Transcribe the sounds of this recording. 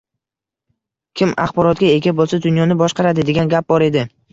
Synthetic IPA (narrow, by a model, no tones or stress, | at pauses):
kʲʰɪma̰χbɒɾɒt̪̚ɡʲae̞ɡʲabolˠsad̪ʊnjɒnɪbɒʃqɑɾad̪ɪd̪eɡʲanɡʲap̚bɒɾe̞d̪ɪ